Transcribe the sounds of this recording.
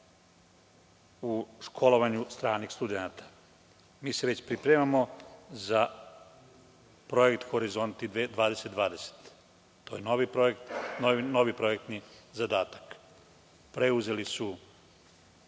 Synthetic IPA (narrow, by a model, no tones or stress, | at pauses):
uʃkʰo̞lo̞ʋaɲust̪ɾaːnixst̪ud̪enat̪ḁ | miːseʋe̞t͡ɕpɾipɾemamo̞za | pɾo̞jekt̪xo̞ɾizo̞nt̪ied̪ʋaːd̪e̞set̪d̪ʋaːd̪e̞se̥t̪ | t̪ojenoʋipɾoekt̪nono̞ʋipɾo̞jek̚t̪nizad̪aːt̪ḁk | pɾe̞uze̞lisu